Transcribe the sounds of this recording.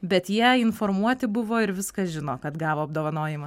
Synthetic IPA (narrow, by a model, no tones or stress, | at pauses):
bʲɛt̪jiɛɪnfoɾmuɔt̪ʲɪbʊʋoːɪɾʋʲɪskɐʒʲɪnoːkɐt̪ɡɑːʋoːɐb̚d̪oːʋɐnoːjɪmɐ